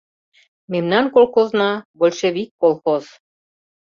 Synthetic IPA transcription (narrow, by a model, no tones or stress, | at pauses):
memnɑnkolˠxoznɑbolʲʃeβikːolˠxoz̥